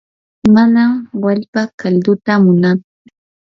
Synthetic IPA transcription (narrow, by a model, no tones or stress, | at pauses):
manamwaʎpakaʎd̪ʊt̪amʊnat͡sʊ